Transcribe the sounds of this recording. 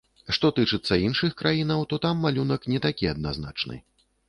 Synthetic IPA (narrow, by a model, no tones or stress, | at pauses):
ʂt̪ɔt̪ɨt͡ʂɨt̪sːɐinʂɨxkɾʔajinɐwt̪ɔt̪amːalʲunɐknʲɛt̪akʲiɐd̪̚nazna̰t͡ʂnɨ̰